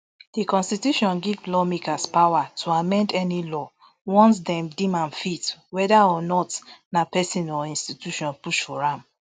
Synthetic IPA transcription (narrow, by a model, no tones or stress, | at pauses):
d̥ikɔ̃nstituʃɔ̃nɡivlɔmikaspawatʰuamɛ̃ndɛnilɔ | wɔ̃nt̬dɛ̃mdĩmãnfitwɛdaɔnɔtnapɛsĩnɔĩnstitjuʃɔ̃npuʃfɔɹãm